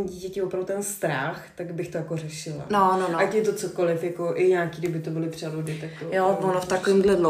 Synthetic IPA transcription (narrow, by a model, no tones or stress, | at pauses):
ɲiɟiːcɛcɪɛvopɾavdut̪ɛnst̪ɾaxt̪aɡbɪxt̪ojakorɛʃɪla̰nonoʔacɛt̪ot͡soko̞lɪfjakoʔɪɲaːkiːɡdɪbɪt̪obɪlɪpr̝̥ɛludɪt̪ak̚t̪ojoonoft̪akovɪmdlɛdlo